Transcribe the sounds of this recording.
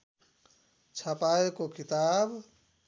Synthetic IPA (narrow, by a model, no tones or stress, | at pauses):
t͡ʃʰəpaekokit̪ab